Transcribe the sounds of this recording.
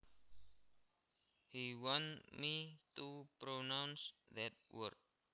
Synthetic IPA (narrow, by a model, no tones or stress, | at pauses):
hiwɔ̃nmit̪upɾonãwnsðɛt̪̚wə̰rt̚